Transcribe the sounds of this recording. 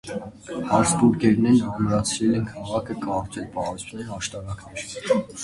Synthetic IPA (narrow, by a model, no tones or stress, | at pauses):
hɑɾsbuɾkɛɾnɛnəɡuɾɑt͡sʰɾɛlɛnkʰɑʁɑkʰəkɑɾt͡sɛlpɑɾɔt͡sʰnɛhɑʃt̪ɑɾɑkʰnɛɾ